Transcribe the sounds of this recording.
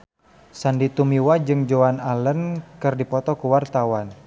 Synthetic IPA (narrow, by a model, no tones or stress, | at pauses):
sandit̪umiwad͡ʒɨŋd͡ʒoanalənkɨrdipɔt̪ɔkuwart̪awan